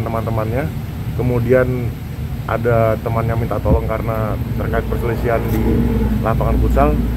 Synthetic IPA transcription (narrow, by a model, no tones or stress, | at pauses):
nt̪əmant̪əmanɲa | kəmudian | ʔa̰dat̪əmanɲamint̪at̪olɔŋkaɾənat̪ərkaɪt̪̚pərsəlisiandilʔapaŋankusal